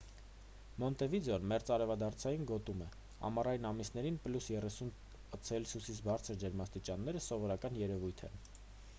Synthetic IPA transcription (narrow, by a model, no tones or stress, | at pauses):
mɔnt̪ɛvid͡zɔnmɛɾt͡sɑɾɛvɑd̪ɑɾt͡sʰɑjinɡɔt̪umɛ | hɑ̰mɑrɑjinɑmisn̪ɛɾinplusjɛrɛsun | ət͡sʰɛlsusit͡sʰbɑɾt͡sʰəɾd͡ʒɛɾmɑst̪it͡ʃɑnːɛɾəsɔvɔɾɑkɑnjɛɾɛvujt̪ʰɛ̰n